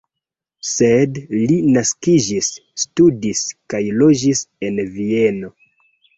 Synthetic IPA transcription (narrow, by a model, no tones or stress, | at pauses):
se̞dlinaskid͡ʒisːtudiskajlo̞d͡ʒise̞nvieno̞